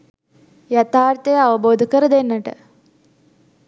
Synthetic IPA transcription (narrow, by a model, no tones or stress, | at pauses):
jɐt̪ʰaːɾt̪eɐʋɐboːd̪ʱikːɐɾɨd̪enːɐʈɨ̰